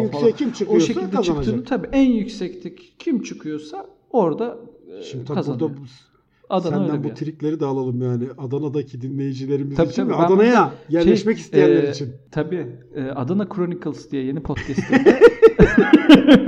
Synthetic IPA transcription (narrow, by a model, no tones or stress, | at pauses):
jyɛimt͡ʃʰɯkujʃesillʲd̪ɛat͡ʃ̪aɯnaiːnt̪ʰabiːʔænjycsɛct̪ʰiccʰimt͡ʃʰɯkʰɯjo̞sa | o̞ɾd̪aʃimd̪t̪ʰkʰazand̪ao | ad̪anaøænbuɛt̪ʰiɾiclʲe̞ɾid̪aːlˠalˠɯmjaːnɪʔad̪anad̪acʰid̪inlʲe̞jid͡ʒilʲeɾimizait͡ʃ̪tiavɛaanajaɟæɾlʲɛʃmɛci̥st̪ijænlʲeɾit͡ʃʰint̪ʰabiːɛːʔad̪anakʰɾo̞nikʰɯlˠsd̪ijɛje̞nipʰot̪cʰɛst̪